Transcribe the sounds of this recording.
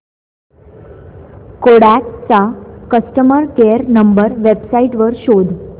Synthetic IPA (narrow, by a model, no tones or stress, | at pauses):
koɽak̚t͡sakəsʈəməɾkeəɾnəmbəɾʋebsaiʈʋəɾɕod̪